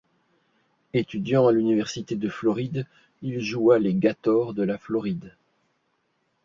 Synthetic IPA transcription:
et̪yd̪jɑ̃alynivɛʁsit̪ed̪əflɔʁid̪ | ilʒualeɡat̪ɔʁd̪əlaflɔʁid̪

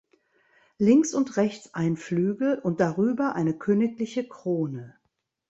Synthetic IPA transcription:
lɪŋksʊntʁɛçt͡sʔaɪnflyːɡl̩ʊnt̚d̥aʁyːbɐʔaɪnəkʰøːnɪklɪçəkʁ̥oːnə

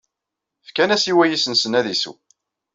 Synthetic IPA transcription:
fkænæsiwæjisənsənæðisṵ

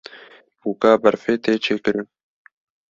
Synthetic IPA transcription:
buːkaːbɛɾfeːt̪eːt͡ʃʰeːkɨɾɨn

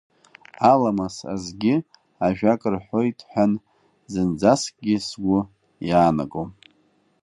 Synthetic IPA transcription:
alamasa̰zɡʲɪ | aʒᶣakʼɨrħʷo̞jtʰʼħʷᶣan | zɨnd͡zaskʼɡʲɪsɡʷʊ | jaːna̰kʼom

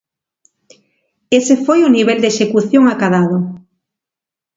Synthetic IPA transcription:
esefojʊniβ̞ɛld̪eʃekuθjoŋakaðað̞o

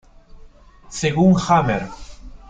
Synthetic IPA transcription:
seɣuŋxameɾ

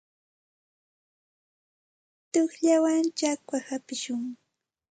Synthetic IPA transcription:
t̪oχʎawant͡ʃakwahapɪʃʊŋ

